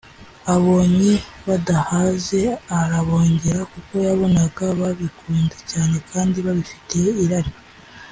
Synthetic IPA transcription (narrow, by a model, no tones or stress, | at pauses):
aβo̞ːɲiβadahaze̞aɾaβo̞ːɲɟe̞ɾakuko̞jaβo̞naɡaβaβikuːndecaːne̞kʰaːndiβaβifi̥tʰeiɾaɾi